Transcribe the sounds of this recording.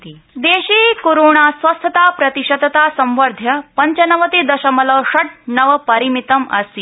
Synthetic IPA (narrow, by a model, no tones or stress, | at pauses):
t̪id̪eɕiːkoɾoɳ̃asʋɐst̪ʰət̪aːpɾɐt̪iɕɐd̪t̪asɐ̃mʋɐɾd̪ʱjɐpɐɲt͡ɕɐnɐʋɐt̪id̪ɐɕɐmɐlɐʂɐʈ̚nɐʋpɐɾimit̪ɐmɐ̰si